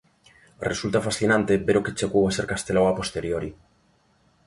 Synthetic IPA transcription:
result̪afasθinãnt̪ebeɾoket͡ʃekowaseɾkast̪elawapo̞st̪e̞ɾjoɾi

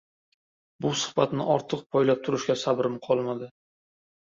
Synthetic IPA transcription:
bʊsʊ̥χbat̪nɪʔɒɾt̪ʰɨq̚pʰɒjlap̚t̪ʰʊɾɪʃkʲasabɾɪmqʰɒlˠmad̪ɪ

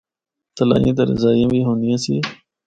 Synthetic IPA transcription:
t̪əla̰ːjĩːt̪̬əɾə̰zaːjãːʋiːɦõːnijãːsiː

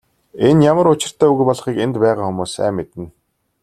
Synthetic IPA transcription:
enjamə̆ɾʊt͡ɕɪ̆r̥t̪ʰæːuɣɘ̆pɔɮ̆χiːkent̪pæːʁaːxʊmuːsːæ̰ːmːet̪ɘ̆n

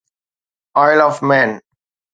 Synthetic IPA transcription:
ɔɪlɔfmɛ̃ːn

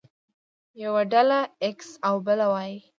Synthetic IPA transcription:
jawaɖalaɪksawbɪlawaj

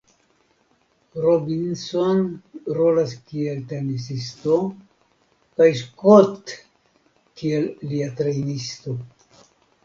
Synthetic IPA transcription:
ɾobinsonɾolaskielt̪enis̬ist̪o | kajs̬kot̪ | kielːiat̪ɾejnisto̞

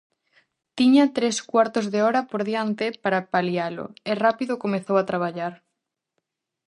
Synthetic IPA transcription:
t̪iɲɐt̪ɾeskwaɾt̪ozðeɔɾɐpoɾðjant̪ɪpaɾapaljalʊ̰ɛrapiðokomeθowat̪ɾaβ̞aʎaɾ

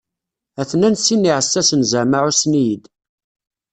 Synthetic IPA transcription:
æθnænsinːiʕəsːæsənzəʕmaʕusnijid̪

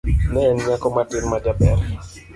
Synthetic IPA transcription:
nɛːnɲakɔmatɪnmad͡ʒabɛɾ

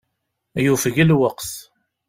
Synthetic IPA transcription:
jufəʝəlwəqθ

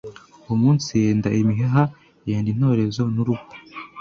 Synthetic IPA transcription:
umuːnsijeːndaʔimiɦeɦa | jeːndin̥ho̞ːɾe̞zo̞nuɾuɡo̥

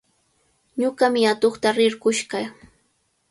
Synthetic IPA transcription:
ɲʊɢamɪat̪oχt̪aɾɪɾɢʊʃɢa

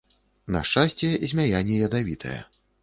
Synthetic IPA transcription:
nɐ̰ʂt͡ʂasʲt͡sʲɛzʲmʲajanʲːɛjɐd̪avʲit̪ʰɐ̰jɛ̰

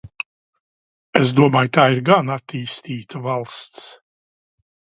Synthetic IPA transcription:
ezd̪uɔmaːjt̪aːiɾɡanat̪iːst̪iːt̪avalˠst̪s

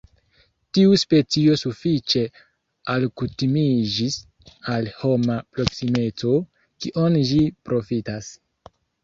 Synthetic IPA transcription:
tiuspe̞t͡sio̞sufit͡ʃe̞ | alkutimid͡ʒis | alho̞mapɾo̞ksime̞t͡so̞ | kiʔonʒipɾo̞fitas

